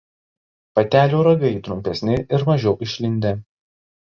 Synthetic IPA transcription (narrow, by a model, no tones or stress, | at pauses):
pɐt̪ʲæːlʲuːɾɐɡɐɪt̪ɾʊmʲpʲɛsʲnʲɪɪɾmɐʒʲɛʊʔɪʃʲlʲɪnʲd̪ʲe